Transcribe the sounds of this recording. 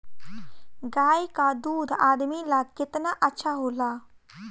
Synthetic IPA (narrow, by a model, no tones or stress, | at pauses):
ɡaːjkad̪uːd̪ʱaːd̪milakɪt̪naʔɐtːʃʰaɦoːla